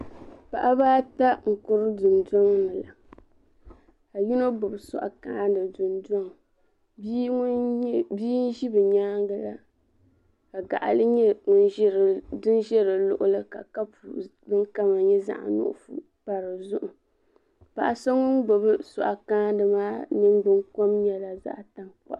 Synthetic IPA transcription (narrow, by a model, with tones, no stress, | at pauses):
pa˨ʔa˦baː˦ta˦ŋ̩˨kʊ˦ɾɨ˦dɨ˨ndɔ˦ŋnɨ˨la˨ | ka˨ji˦no˦bʊ˨bɨ˨sɔ̰˨ʔa̰˨kaː˦ndɨ˨dʊ˨ndɔ˦ŋ˨˦ | biː˦n̩˦ʒi˦bɨ˨ɲaː˦ŋɡa˨la˦ | ka˨ɡa̰˨ʔa̰˨lɨ˦ɲɛ˦ŋʊ˦n˦ɾdɨ˦nʒɛ˦ɾɨ˨lʊ̰˦˨ʔʊ˦lɨ˦ka˨ka˦pu˨bɨ˦ŋka˦ma˨ɲɛ˦za̰˦ʔa̰˨nʊ̰˦ʔʊ̰˦fṵ˦ | pa˨ɾɨ˨zʊ˦ʔʊ˨ | pa̰˨ʔa˨so˦ŋʊ˦nɡ͡bo˨bɨ˦sɔ̰˨ʔa˨kaː˦dɨ˨maː˦nɨ˦ŋɡ͡bɨ˦ŋko˦m˦ɲɛ˨la˨za̰˦ʔta˨ŋk͡pa̰˦ʔ